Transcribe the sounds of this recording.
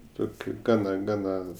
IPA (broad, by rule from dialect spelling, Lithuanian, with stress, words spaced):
ˈtoːkʲʊ ˈɡɑːnɐ ˈɡɑːnɐ